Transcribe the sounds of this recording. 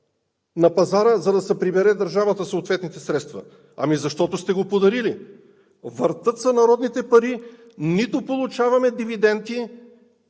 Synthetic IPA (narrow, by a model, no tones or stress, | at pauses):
nɐpɐzaɾəzɐd̪ɐsɛpɾibɛɾɛd̪ɐɾʒavət̪əsoːt̪vɛt̪nit̪ɛsɾɛt̪st̪vɐ̰ | ɐ̰mizɐʃt̪ɔt̪ost̪ɛɡopod̪ɐɾili | vəɾt̪ɤt̪sɐnɐɾɔd̪nit̪ɛpɐɾi | nit̪opolˠut͡ʃavɐmɛd̪ivid̪ɛnt̪i